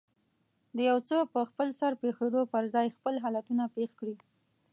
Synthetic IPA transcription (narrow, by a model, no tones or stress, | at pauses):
d̪əjawt͡səpəxpəlsaɾpexod̪opəɾzɑjxpəlɦɑlat̪unapexkɽi